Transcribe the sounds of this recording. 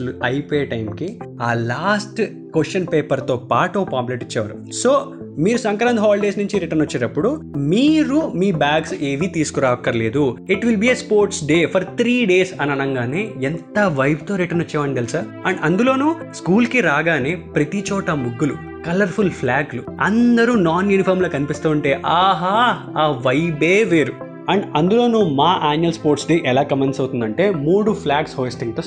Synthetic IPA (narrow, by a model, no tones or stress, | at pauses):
luɐjpoːjɐʈɐjmkiaːlaːsʈ | kosʈɐnpeːpɐɾt̪oːpaːʈuopaːmpleʈit͡ʃːɛːʋa̰ːɾṵ | so̞ː | miːɾusɐŋkɾɐnd̪ɦaːlɖeːsnuɲt͡ʃiɾiʈɐnot͡ʃːiːʈɐpːuɽumiːɾumiːbaːɡse̞ːʋit̪iːsu̥kuɾaːʋkːɐɾɐle̞ːd̪uiʈʋilbiːeːspoːɾʈsɖe̞ːpʰɐɾt̪ʰɾiːɖe̞ːsɐnɐnɐŋɡaːneːent̪ɐʋɐjb̚t̪o̞ːɾiʈɐnot͡ʃːɛːʋɐɳɡelsaːɾ | ɐɳɖɐnd̪ulo̞ːnuː | skuːlkiɾaːɡaːneːpɾɐt̪it͡ʃɔːʈɐmuɡːulu | kɐlɐɾpʰulpʰlaːɡluɐ̰nd̪ɐɾunaːnjuːnipʰɐːɾmloːkɐnipist̪uːɳʈe̞ːʔaːɦaː | aːʋɐjbeːʋeːɾu | ɐɳɖɐnd̪ulo̞ːnuːmaːʔaːnjuɐlspoːɾʈsɖeːʔɛlaːkɐmensɐwt̪und̪ɐɳʈe̞ːmuːɽupʰlaːɡshoːjsʈiŋɡʈɐs